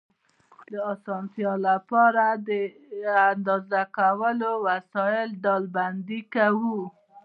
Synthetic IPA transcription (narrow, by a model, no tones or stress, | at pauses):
d̪əɑsɑnt̪jɑlapɑɾad̪ə | and̪ɑzakawəlowasɑjɪlɖ̪ɑlband̪ikawu